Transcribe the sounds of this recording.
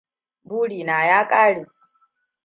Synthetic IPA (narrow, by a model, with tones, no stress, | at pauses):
buː˦ɽiː˨naː˨jaː˦kʼaː˦ɽeː˨